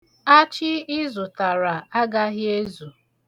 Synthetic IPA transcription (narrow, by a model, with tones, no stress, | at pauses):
a˦t͡ʃɪ˦ɪ˦zʊ˨ta˨ɾa˨a˦ɡa˦ɦɪ˦e˦zu˨